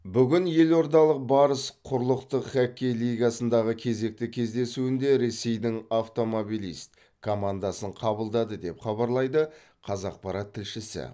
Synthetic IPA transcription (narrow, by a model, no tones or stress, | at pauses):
bʏɡʲɪnje̞lo̞ɾd̪ɑlˠəq̚bɑɾəsqʰʊɾlˠəqt̪əqχækʲːejlˠijɡɑsənd̪ɑʁəkʲʰe̞ze̞k̚t̪ɪkʲʰe̞zd̪e̞suɪnd̪e̞ɾe̞se̞jd̪ɪŋaft̪o̞mo̞bijlˠijst̪ | kʰo̞mand̪ɑsəɴqʰɑbəlˠd̪ɑd̪əd̪e̞pχɑbɑɾlˠɑjd̪ə | qʰɑzɑq̚pɑɾɑt̪ʰːɪlʃɪsɪ̰